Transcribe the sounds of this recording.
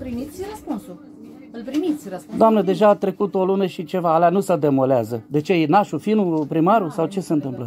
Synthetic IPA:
pɾimit̪sʲrəspunsul | ɨlpɾimit̪sʲrəsd̪oamnəd̪e̞ʒaːt̪ɾe̞kut̪o̞lunəʃit͡ʃe̞vaːleanusəd̪e̞mo̞leazəd̪e̞t͡ʃe̞jenaʃufinupɾimaɾusawt͡ʃe̞seɨnt̪ɨmplə

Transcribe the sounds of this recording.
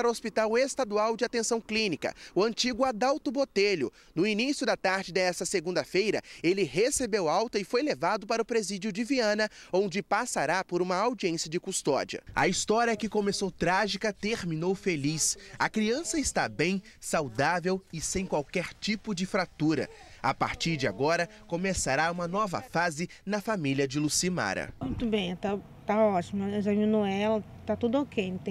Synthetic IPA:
aɾɐospit̪awest̪ad̪uawd͡ʒɪat̪ẽsɐ̃w̃klĩnikɐ̰ʊɐ̃nt͡ʃiɡʊad̪awt̪ʊbot̪eʎʊ̰ | nʊinisjʊd̪ɐt̪aɾd͡ʒɪd̪ɛst̪ɐseɡũd̪ɐfejɾɐ̰elɪhesebewawt̪ɐɪfojlevad̪ʊpaɾɐʊpɾezid͡ʒʊd͡ʒɪviɐ̃nɐõnd͡ʒɪpasaɾapoɾũmɐawd͡ʒiẽsiɐd͡ʒɪkust̪ɔ̰d͡ʒiɐ̰ɐ̰ist̪ɔɾiɐkɪkomesowt̪ɾaʒikɐt̪eɾmĩnowfelisɐkɾiɐ̃sɐɪst̪abẽj̃sawd̪avewɪsẽj̃kwawkɛɾt͡ʃipʊd͡ʒɪfɾat̪uɾɐ̰apa̰ɾt͡ʃiɾd͡ʒɪa̰ɡɔɾɐkomesaɾaũmɐnɔvɐ̰fazɪnɐfamiliɐd͡ʒɪlusima̰ɾɐ̰mũj̃t̪ʊbẽj̃t̪a | t̪aɔt͡ʃimʊɛɪzɐmĩnoɛlɐ | t̪at̪ud̪ʊokʰet̪ẽ

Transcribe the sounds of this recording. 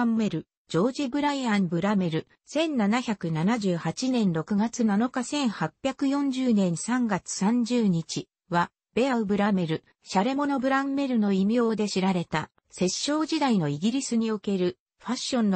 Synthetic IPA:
mːe̞ɾɯ̟ | d͡ʑo̞ːd͡ʑibɯ̟ɾaiãmbɯ̟ɾame̞ɾɯ̟ | sẽ̞nnanaçakɯ̟nanaʑɨːhat͡ɕinẽ̞nɾo̞kɯ̟ɡat͡sɨnano̞kasẽ̞ɰ̃hapʲjakɯ̟jõ̞ɲ̟d͡ʑɨːnẽ̞ɰ̃sãŋɡat͡sɨ̥sãɲ̟d͡ʑɨːɲ̟it͡ɕi | βa | b̥e̞aɯ̟bɯ̟ɾame̞ɾɯ̟ | ɕaɾe̞mo̞no̞bɯ̟ɾamme̞ɾɯ̟no̞imʲjo̞ːd̪e̞ɕiɾaɾe̞t̪a | se̞ɕːo̞ːd͡ʑid̪aino̞iɡʲiɾʲisɨɲ̟io̞ke̞ɾɯ̟ | ɸaɕːõ̞nː

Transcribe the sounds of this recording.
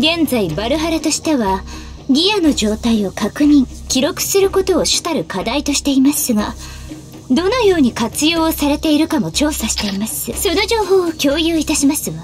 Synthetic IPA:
ɡẽ̞nd͡zaibaɾɯ̟ɦaɾat̪o̞ɕi̥t̪e̞βa | ɡʲijano̞ʑo̞ːt̪aio̞kakɯ̟ɲ̟ĩ | kʲiɾo̞kɯ̟̥sɨɾɯ̟ko̞t̪o̞ːɕɨ̥t̪aɾɯ̟kad̪ait̪o̞ɕi̥t̪e̞imasɨɡa | d̪o̞no̞jo̞ːɲ̟ikat͡sɨjo̞ːsaɾe̞t̪e̞iɾɯ̟kamo̞t͡ɕo̞ːsaɕi̥t̪e̞imasɨso̞no̞ʑo̞ːɦo̞ːokʲo̞ːjɯːit̪aɕimasɨβa

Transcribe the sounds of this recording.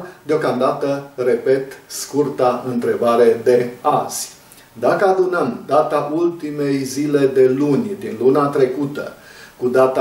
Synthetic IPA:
d̪eo̞kamd̪at̪əre̞pe̞t̪skurt̪aɨnt̪ɾe̞baɾe̞d̪e̞az̥ʲ | d̪akəad̪unəmd̪at̪aʔult̪ime̞jzile̞d̪e̞lunʲd̪inlunat̪ɾe̞kut̪ə̰kud̪at̪a

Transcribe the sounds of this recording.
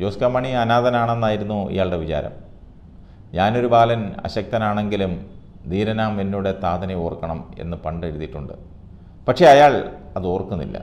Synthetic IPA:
d͡ʑo̞ːskamːɐɳiɐnaːd̪ɐnaːɳe̞nːaːjiɾunːuḭjaːɭɖe̞ʋit͡ɕa̰ːɾɐ̰m | ɲaːno̞ɾubaːlɐnɐ̰ɕɐk̚t̪ɐnaːɳe̞ŋɡilum | d̪iːɾɐnaːmenːuːɽet̪aːd̪ɐnɐjoːrkːɐɳɐme̞̰nːɨpɐɳɖeɽuðiʈːuɳɖɨ̰ | pɐʈʂe̞ɐjaːɭɐðoːrkːunːḭlːɐ̰

